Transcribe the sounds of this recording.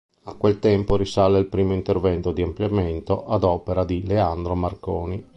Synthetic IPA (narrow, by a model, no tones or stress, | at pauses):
akwelt̪ɛmpoɾisaleilpɾiːmoint̪ervɛnt̪od̪iampljament̪oʔad̪ɔːpeɾad̪ileand̪ɾomarkoːni